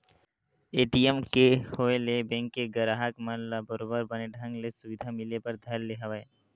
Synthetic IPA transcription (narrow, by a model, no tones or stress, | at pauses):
eːʈijmkehoelebɛ̃ŋkːeɡəɾaɦəkmənlabəɾobəɾbəneɖʱə̃ŋɡlesʊʋɪd̪ʱamɪlepəɾd̪ʱɐɾleɦəʋae